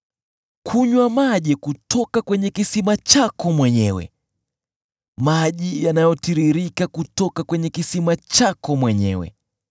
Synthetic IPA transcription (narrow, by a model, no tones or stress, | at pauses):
kʰuɲwamaʄɛkutɔkakwɛɲɛkisimat͡ʃakɔmwɛɲɛwɛ̰ | maʄijanajɔtiɾiɾikakutɔkakwɛɲɛkisimat͡ʃakɔmwɛɲɛ̰wɛ̰